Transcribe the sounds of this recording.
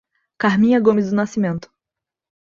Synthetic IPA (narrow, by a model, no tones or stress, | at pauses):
kaɾmĩɲɐɡõmɪzd̪ʊnasimẽnt̪ʊ̥